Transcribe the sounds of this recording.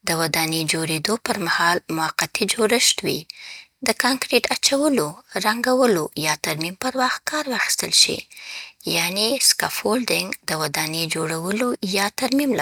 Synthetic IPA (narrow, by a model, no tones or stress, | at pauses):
d̪əwad̪ɑned͡ʒoɾed̪opəɾmahɑlmʊaqːat̪id͡ʒoɾəʃt̪wḭd̪əkɑŋkɾeʈʰat͡ʃawəloɾaŋɡawəlojɑt̪aɾmimpəɾwɑxt̪̚kɑɾwɑxi̥st̪əlʃḭjaneskɑfolɖɪŋɡd̪̥əwad̪ɑned͡ʒoɽawəlojɑt̪aɾmimla